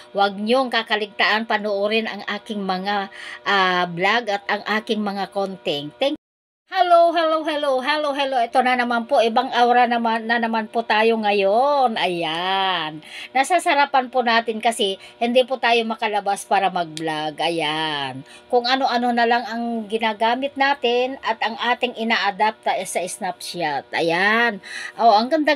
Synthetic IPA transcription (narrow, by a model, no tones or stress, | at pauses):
wɐɡ̚ɲoŋkakɐlɪɡ̚t̪aʔanpɐnoʔoɾɪnɐŋʔaːkɪŋmɐŋaʔablaɡʔɐt̪ʔɐŋʔaːkɪŋmɐŋakont̪ɛŋt̪ɛŋ | hɛlowɦɛlowɦɛlowɦɛlowɦɛloɛt̪onɐnɐmanpoʔɪbaŋʔawɾanɐmanɐnɐmanpʊt̪aːjoŋɐjonʔɐjanːɐsasɐɾapanpʊnaːt̪ɪnkɐsɛhɪnd̪ipʊt̪aːjo̞mɐkɐlɐbaspaːɾɐmɐɡ̚blaɡʔɐjankʊŋɐnoʔɐnonɐlaŋɐŋɡɪnaːɡaːmɪt̪̚naːt̪ɪnɐt̪ʔɐŋʔaːt̪ɪŋʔɪnaːʔad̪ap̚t̪ɐʔɛsaɪsnap̚ʃat̪̚ʔɐ̰janʔoʔɐŋɡɐnd̪a